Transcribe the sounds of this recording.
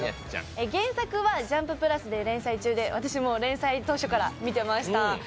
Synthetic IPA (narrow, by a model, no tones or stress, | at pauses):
eɡẽ̞ɰ̃sakɯ̟βad͡ʑãmpɯ̟pɯ̟ɾasɨd̪e̞ɾẽ̞ɰ̃sait͡ɕɨːd̪e̞βat̪aɕimo̞ɾẽ̞ɰ̃sait̪o̞ːɕo̞kaɾamʲit̪e̞maɕi̥t̪a